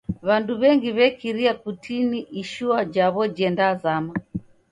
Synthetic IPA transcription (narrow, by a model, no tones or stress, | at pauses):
βanduβɛŋɡiβɛkiɾiakutʰiniʔiʃuad͡ʒaβɔd͡ʒɛndazama